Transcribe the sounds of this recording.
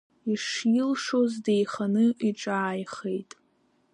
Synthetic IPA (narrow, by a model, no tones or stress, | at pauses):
iʂjilʂozde̞jχanɨiʈ͡ʂʼaːjχe̞jtʼ